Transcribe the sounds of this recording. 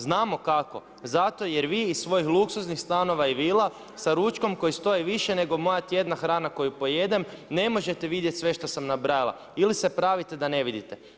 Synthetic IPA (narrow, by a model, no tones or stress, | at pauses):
znaːmo̞kako̞̰ | zat̪o̞je̞ɾʋiːssʋo̞jixlˠuksuznixst̪ano̞ʋaiʋiːlˠa | saɾut͡ʃko̞mko̞jist̪o̞iʋiʃene̞ɡo̞mo̞jat̪je̞d̪naxɾaːnako̞jupo̞je̞d̪e̞mne̞mo̞ʒe̞t̪e̞ʋid̪jet̪ʲsʋe̞ʃt̪o̞samnabɾajalˠa̰ | ilise̞pɾaʋit̪e̞d̪ane̞ʋid̪it̪e̞